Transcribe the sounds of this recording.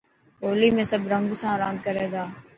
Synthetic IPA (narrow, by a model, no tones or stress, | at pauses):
oːliːmẽːsəbʱɾəŋɡsãːɾãːnd̪̚kəɾeːd̪aː